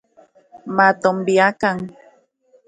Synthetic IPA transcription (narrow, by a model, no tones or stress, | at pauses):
mat̪ombiakaŋ